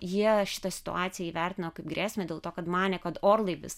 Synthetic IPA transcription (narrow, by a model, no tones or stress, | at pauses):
jiɛʃʲɪ̥t̪ɐsʲɪ̥t̪ʊ̰ɑːt̪sʲɪjɛiːʋʲærʲt̪ʲɪnɐkɐɪp̚ɡɾʲæːsʲmʲedʲeːlˠt̪oːkɐt̪mɑːnʲɛːkɐt̪oːɾlˠɐɪʋʲɪ̰s